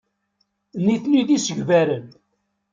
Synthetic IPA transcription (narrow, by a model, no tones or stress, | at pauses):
niθniðisəʝvæɾən